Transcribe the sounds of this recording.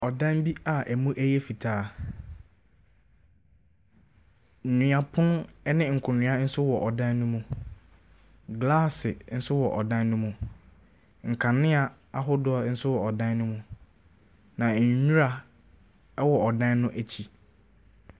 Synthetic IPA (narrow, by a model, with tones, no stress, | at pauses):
ɔ˨dã˦nbi˦a˨ʔæ˨mũ˦ʔæ˦jɛ˦fi˨tʰaː˨˦˨ | ɲ̩˨ɲĩ˨a˨pʰʊ̃˦n˦nɪ̃˦ŋ̩˨kʰʊ̃˨nɪ̃˨˦a˦n̩˦sʊ˦wɔ˨ʔɔ˨dã˦nːʊ̃˦mũ˨ | ɡlaː˦sɪ˨n̩˦sʊ˦wɔ˨ʔɔ˨dã˦nːʊ̃˦mũ˨ | ŋ̩˨kʰã˨nːɪ̃˦a˨ | a˦ɦʊ˦dʊ˦a˨˦n̩˦sʊ˦wɔ˨ɔ˨dã˦nːʊ̃˦mũ˨ | nã˨ɲũ˦ɾa˨ | ɛ˦wɔ˨ɔ˨dã˦nːʊ̃˦ʔæ˨t͡ɕʰi˨